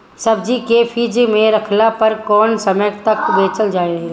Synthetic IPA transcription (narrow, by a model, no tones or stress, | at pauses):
sɐbd͡ʒikeːpʰiːd͡ʒmẽɾɐkʰlapɐɾkɔːnsɐməɡt̪ɐkbeːt͡ʃəld͡ʒaːiɾɐɦe